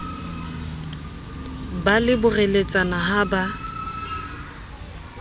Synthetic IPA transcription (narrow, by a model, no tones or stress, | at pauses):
balɪbʊrelet͡sʼanaɦaba